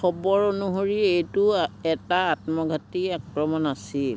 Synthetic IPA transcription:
xɔbɔɹonuɦoɹiejtuɛtaatmɔɡʱatiakɹɔmɔnasil

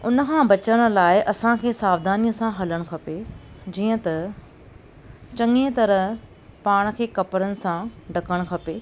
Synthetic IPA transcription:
ʊnə̆kʰãbɐt͡ɕəɽ̃̆laːɪʔɐsãkʰeːsaːʋd̪ʱaːnijəsãɦɐləɽ̃kʰɐpe | d͡ʑiːə̃t̪ɐ | t͡ɕɐ̃ŋet̪ɐɾə | paːɽ̃̆kʰeːkɐpəɾənɪ̆sãɖʱɐkəɽ̃kʰɐpeː

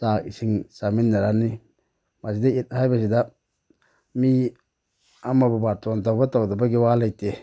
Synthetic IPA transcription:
taisiŋsaminːaɾani | masidait̚hajbasida | mi | amababatontawbatawdabaɡiwalajte

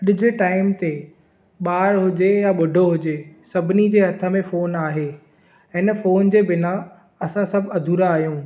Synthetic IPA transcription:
ɗɪd͡ʑʱɪʈaːɪmt̪e | ɓaːɾɦʊd͡ʑejaɓʊɖʱoɦʊd͡ʑesɐbʱɪnid͡ʑeːɦɐt̪ʰə̆mẽfoːnaːɦeː | ɪnə̆foːnd͡ʑeːbɪna | ɐsãsɐbʱɐd̪ʱuːɾaːɦjũː

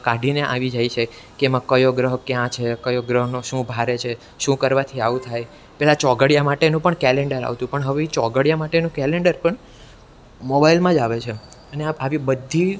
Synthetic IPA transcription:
kaɖʱineʔa̰ʋid͡ʒajt͡ʃʰe | kemãkəjoɡɾəɦkjãt͡ʃʰekəjoɡɾəɦnoʃũbʱaɾet͡ʃʰe | ʃũkəɾʋat̪ʰiaʋũt̪ʰaj | pɛɦlat͡ʃɔɡəɽjamaʈenũpəɳkɛleɳɖəɾa̰ʋt̪ũpəɳɦəʋet͡ʃɔɡəɽjamaʈenũkɛleɳɖəɾpəɳ | mobailmãd͡ʒaʋet͡ʃʰe | əneaaʋibəd̪ʱːi

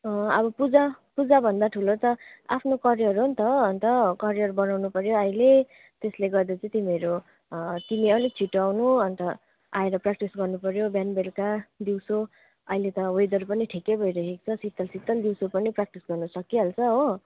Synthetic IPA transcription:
ʌbʌpud͡zapud͡zabʱʌnd̪aʈʰulot̪ʌa̰pʰnokʌɾijʌɾɦont̪ʌʌnt̪ʌkʌɾijʌrbʌnawnupʌɾjoʌile | t̪esleɡʌd̪ʌt͡sʌ̃ĩt̪imiʌɾo | t̪imiʌlik̚t͡sʰiʈoawnuʌnt̪ʌ | aeɾʌprak̚ʈisɡʌrnupʌɾjobjanbelkad̪iwso | ʌilet̪ʌɦojd̪ʌɾupʌniʈʰikebʱʌjɾʌkekt͡sʰʌsit̪ːʌlsit̪ːʌld̪iwsopʌniprak̚ʈisɡʌrnʌsʌkːiɦʌlt͡sʰʌɦo

